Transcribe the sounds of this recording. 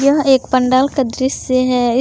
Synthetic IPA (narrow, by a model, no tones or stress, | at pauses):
jɐɦeːkpɐ̃ɳɖaːlkad̪ɾɪseɦɛɪ